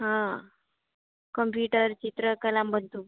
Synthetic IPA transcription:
ɦã | kəmpjuʈəɾt͡ɕit̪ɾəkəlambənt̪u

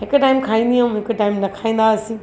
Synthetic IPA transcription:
ɦɪkʊʈaːɪmkʰaːĩːnd̪iãmɦɪkəʈaːɪmnɐkʰaːĩːnd̪aɐsĩː

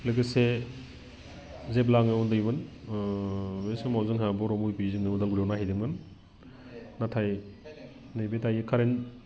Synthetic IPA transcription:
lɯɡɯse | zeb̬laŋɯundɯjbɯn | besɯmawzɯŋɦabɔɾɔmujpiziŋnɯudalɡuɾjewnaɦijdiŋɯn | natʰaj | nɯjbetʰajekʰaɾen

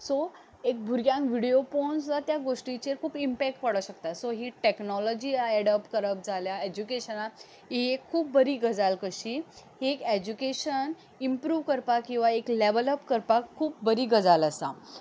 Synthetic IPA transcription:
so | ek̚bʱuɾɡjãŋkʋiɽeopɔnslat̪jaɡoʂʈit͡ɕeɾkʰuːpimpɛk̚ʈpəɽəɕəkt̪at̪soɦiʈeknɔlɔd͡ʑiːɛɽəpkəɾəp̚d͡zʱaljaed͡ʑukeɕəna | iekʰːuːp̚bəɾiːɡəd͡zalkəɕiːɦeked͡ʑukeɕən | impɾuːʋkəɾpakːĩw̃ʋaekleʋələpkəɾpakʰːuːp̚bəɾiːɡəd͡zaləsa

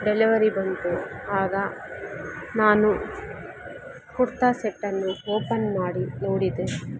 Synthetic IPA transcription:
ɖeliʋɐɾibɐnt̪uaːɡɐ | naːnu | kuɾt̪aːseʈːɐnːuoːpɐnmaːɽinoːɽid̪e

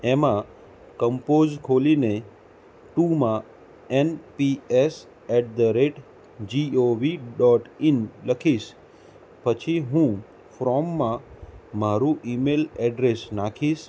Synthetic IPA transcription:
emã | kəmpod͡ʒkʰoline | ʈumã | enpies | ɛʈ̚ʰd̪əɾeʈ | d͡ʒioʋiɖɔʈinləkʰiʃ | pət͡ʃʰiɦũ | fɾɔmːãmaɾuʔimelɛɖɾesnakʰiʃ

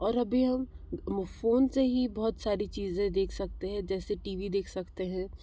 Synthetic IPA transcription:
ɔːɾɐbʱiɦɐm | foːnseɦibɔɦʊt̪saːɾit͡ʃiːzẽd̪eːkʰsɐk̚t̪eɦɛ̃d͡ʒɛːseʈiːʋid̪eːkʰsɐkt̪eɦɛ̃ː

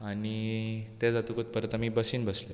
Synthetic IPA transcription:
anit̪ed͡zat̪ukot̪̚pəɾət̪amiːbəsiːnbəsle

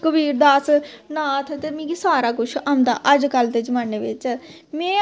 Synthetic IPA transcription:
kəbiːɾd̪aːsnãːt̪ʰet̪emĩːɡisaːɾaːkʊt͡ʃʰamd̪a̰ːʔəd͡ʒkəlt̪eːd͡ʒəmaːneːʋɪt͡ʃ | mɛ̃ː

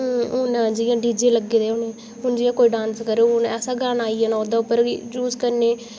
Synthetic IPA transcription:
ʊnd͡ʒiːãːɖiːd͡ʒeːləɡeːd̪eːʊneː | ɦʊnd͡ʒiːãːkoːiːɖãːnskəɾeːɦʊnɛːsaːɡaːnaːiːɛːnaːod̪ãːʊpːəɾt͡ʃuːzkəɾneː

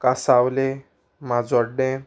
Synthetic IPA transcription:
kasawle | mad͡zɔɽẽ

